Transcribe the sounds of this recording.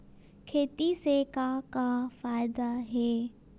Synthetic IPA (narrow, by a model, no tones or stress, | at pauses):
kʰeːt̪isekakafaːɪd̪aɦeː